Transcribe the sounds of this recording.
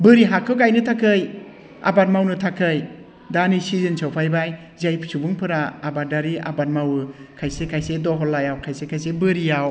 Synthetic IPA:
bɯɾiɦakʰːɯɡajnɯtʰakʰɯj | a̰batmawnɯtʰakʰɯj | danisizɯnsʰawpʰajbaj | zajpʰsʰubuŋpʰɯɾaːbadaɾia̰ban̚mawɯkʰajsekʰajsedɔɦɔlːajawkʰajsekʰajsebɯɾijaw

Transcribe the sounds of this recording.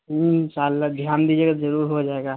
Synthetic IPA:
ɦʃaːlːad̪ʱjaːnd̪iːd͡ʒeːɡazəɾuːɾɦod͡ʒaːeɡaː

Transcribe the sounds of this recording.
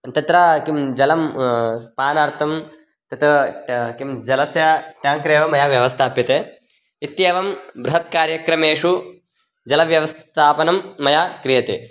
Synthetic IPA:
t̪ɐt̪ɾakimd͡ʒɐlɐmpaːnaːɾt̪ʰɐm | t̪ɐt̪ɐkimd͡ʒɐlɐsjɐʈjaːŋkɾeːʋɐmɐjaʋjɐʋɐst̪ʰaːpjɐt̪eː | it̪jeːʋɐmbɾuɦɐt̪̚kaːɾjɐkɾɐmeːʂu | d͡ʒɐlɐʋjɐʋɐst̪ʰaːpɐnɐmːɐjaːkɾijɐt̪e

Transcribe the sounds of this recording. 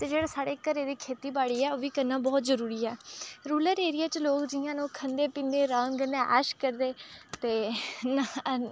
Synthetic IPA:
t̪eːd͡ʒeːɽeːsaːɽeːkəɾeːd̪iːkʰeːt̪iːbaːɽiːɛːoːʋiːkənːãːbɔːt̪zəɾuːɾiːɛːɾuːləɾeːɾɪjaːt͡ʃloːkd͡ʒɪjãːnũːkʰənd̪eːpĩːnd̪eːɾãːŋɡənẽːʔəʃkəɾd̪eːt̪eːna

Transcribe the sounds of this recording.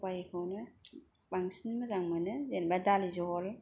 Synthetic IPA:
pajkʰɯwnɯbaŋsinmɯzaŋmɯnɯzenbadalizɔɔl

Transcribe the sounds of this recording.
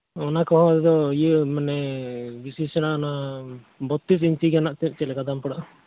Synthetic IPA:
ɔnakɔɦɔ̃d̪ɛd̪ɔjəmanɛbisisɛñaʔɔna | bɔt̪ːis̬iɲt͡ʃiɡanaʔt̪it͡ʃɛlɛkad̪ampɔɽaʔ

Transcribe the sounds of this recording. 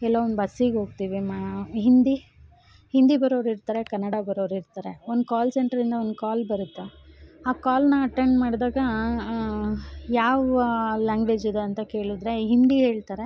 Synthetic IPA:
ɛlːoond̪bɐsiɡɦoːɡ̚t̪iːʋimaɦind̪i | hind̪ibɐɾoːɾiɾt̪aːɾe̞kɐnːɐɽɐbɐɾoːɾiɾt̪aːɾe̞ond̪ukaːlseɳʈɐɾind̪ɐo̞nd̪ukaːlbɐɾut̪ːuaːkaːlnɐɐʈːeɳɖmaːɽd̪aːɡɐ | jaːʋlaːŋɡʋed͡ʒid̪uɐnt̪ɐke̞ːɭud̪ɾe̞ɦind̪iɦe̞ːɭt̪aːɾe̞

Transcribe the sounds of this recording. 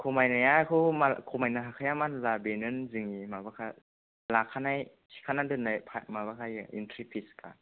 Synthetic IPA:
kʰomajnajakʰɯwmakʰomajnaɦakʰajamanlabenɯnzɯŋimabakʰa | lakʰːanaj | si̥kʰanadɯnːajpʰamaβakʰajɯḭntʰɾipʰiskʰa̰

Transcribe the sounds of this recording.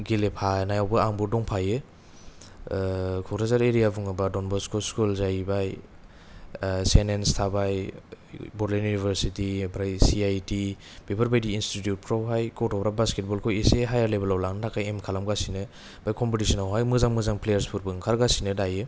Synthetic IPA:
ɡilepʰanajawbɯaŋbɔdɔŋpʰajɯ | kʰɔkɾazaɾeɾijabuŋɯbadɔnbɔskʰɔskulzajbaj | senenstʰabaj | bɔɾlajunibʱeɾsitipʰɾajsiajti | bebaɾbajdiːnstitjut̚pɾɔbajkɔtɔbɾabasket̚bɔlkʰɔjeseɦajaɾlebalawlaŋnɯtʰakʰajemkʰalamɡasinɯ | b̥ajkɔmpetisɔnawɦajmɯzaŋmɯzaŋplejaɾspʰuɾbɯŋkʰaɾɡasinɯdajɯ

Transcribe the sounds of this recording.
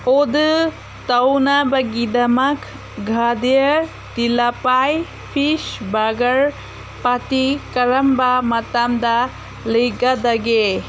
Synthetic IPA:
od̪ɯ | t̪ɐwnabaɡid̪amakʰ | ɡʱad̪jə | t̪ilapaj | pʰiʃbaɡɐɾ | pat̪ikɐɾɐmbamɐt̪amd̪a | lɯjɡad̪aɡe

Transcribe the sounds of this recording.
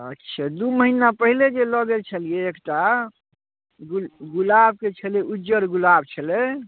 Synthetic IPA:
ətːʃʰad̪uməɦinapəɦiled͡ʒeləɡet͡ʃʰəlijeːkʈa | ɡɡulab̚ket͡ʃʰəleud͡ʒəɾɡulab̚t͡ʃʰəle

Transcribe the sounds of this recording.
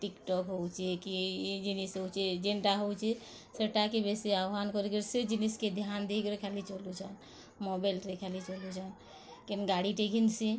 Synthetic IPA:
ʈikʈɔkɦowt͡ʃʰikid͡ʒinisɦowt͡ʃʰid͡ʒenʈaɦowt͡ʃʰi | seʈakebesiawɦankɔɾikɔɾesed͡ʒinisked̪ʱijand̪ikɔɾikʰalit͡ʃɔlut͡ʃan | mɔbalɾekʰɛlit͡ʃɔlut͡ʃan | kinɡaɽiʈekʰinsi

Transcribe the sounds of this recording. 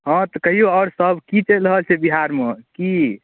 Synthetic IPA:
ɦɔ̃t̪ɔkəɦijoɔːɾsəbʱkit͡ʃelɾəɦəlsʰebiɦaɾmeki

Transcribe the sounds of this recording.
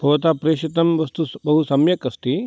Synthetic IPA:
bʱɐʋɐt̪aːpɾeːʂit̪ɐmʋɐst̪ubɐɦusɐmjɐkɐst̪i

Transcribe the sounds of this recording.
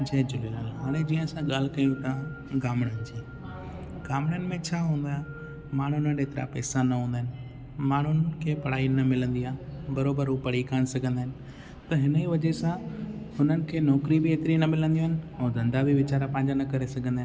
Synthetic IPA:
d͡ʑeːd͡ʑʊlelaːlɦaːɽ̃ẽd͡ʑiːə̃sãɠaːl̤ɪkɐjũt̪ã | ɡaːmɽənɪd͡ʑeː | ɡaːmɽənɪ̆mẽt͡ɕʰaːɦũːn̆d̪aː | maːɳ̤ɦʊnəneːt̪ɪɾa̰pɛːsãnɐɦũːnd̪aːɦɪnɪ̆ | maːɳɦʊnəkʰeːpɐɽ̤aːinɐmɪlə̃nd̪iaːbɐɾoːbəɾɦupɐɽikʰaːɽ̃ɪsɐɡʱə̃nd̪aɦɪnɪ̆ | t̪ɐɦɪnəiʋɐd͡ʑesãɦʊnənɪ̆kʰeːnɔːkɾibɪeːt̪ɪɾinɐmɪlə̃nd̪ijũɦɪnɪ̆oːd̪ɐ̃nd̪abiʋɪt͡ɕaːɾapɐ̃ːɪ̃ɲd͡ʑanɐkɐɾesɐɡʱə̃nd̪aː

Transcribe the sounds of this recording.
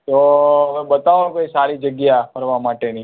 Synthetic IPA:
t̪oəmẽɓət̪aʋanukoisaɾid͡ʒəɡjapəɾʋamaʈeni

